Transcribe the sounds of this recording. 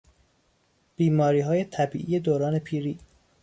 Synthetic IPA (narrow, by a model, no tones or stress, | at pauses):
b̥iːmɒːɾiːɦɒːje̞t̪ʰæbiːʔije̞d̪oːɾɒːne̞pʰiːɾiː